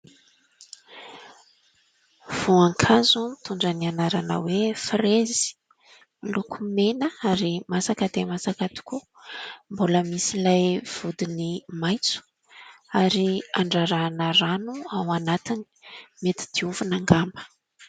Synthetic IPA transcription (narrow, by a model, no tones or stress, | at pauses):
v̥uaŋkʰazumit̪uɳɖ͡ʐənianaɾanə̰wefrezi̥ | ilukʰumenəaɾimasakəd̪emasakat̪i̥ku | mboləmisilajv̥ud̪inimajt͡su̥ | aɾiaɳɖ͡ʐaɾanəɾanuawanat̪ini̥met̪i̥d̪̥iuvunaŋɡambə̥